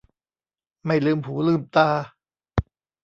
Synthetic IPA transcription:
ma˥˩jlɯː˧mhuː˩˦lɯː˥˩mt̪aː˧

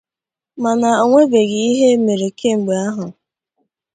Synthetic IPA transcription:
ma˨na˨o˨ŋʷe˦be˨ɣi˨i˦ɦe˦me˨ɾe˨ke˦ŋ͡m̩˨ɡ͡be˨a˦ɦʊ˨

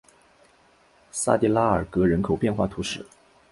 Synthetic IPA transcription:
sa̰˥˧t̪i˥˩la˥ə˞˨˩kɤ˧˥ɻə˧˥nkʰo˨˩ʊpjɛ˥˧nxwa̰˥˩t̪ʰu˧˥ʂɻ̩˥˩˦

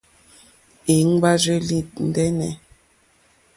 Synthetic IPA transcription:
e˨˦ŋ̩˦ba˦ze˦li˦˨tn̩˦dɛ˦nɛ̰˨

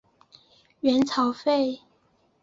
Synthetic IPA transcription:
ɥɛ˧˥nt͡sʰɑ˨˥ʊfe˥˨ɪ

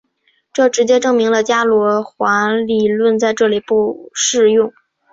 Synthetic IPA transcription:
ʈ͡ʂɤ˥˩ʈ͡ʂɻ̩˧˥t͡ɕjɛ˥ʈ͡ʂɤ˥˩ŋmi˧˥ŋlə˧t͡ɕja˥lwɔ˧˥xwa˧˥nli˨˩lwə˥˧nt͡sa˥˧ɪʈ͡ʂɤ˥˩li˨˩pu˥˧ʂɻ̩˥˧jʊ˥˩ŋ

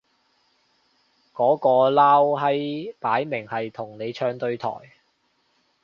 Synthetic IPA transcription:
kɔː˨˥kɔː˧laː˥wɦɐ˥jpaː˨˥jmɪ˨˩ŋhɐ˨jt̪ʰʊ˨˩ŋne˨˧jt͡ʃʰœː˧ŋt̪ɵ˧ɥt̪ʰɔ̰ː˨˩j

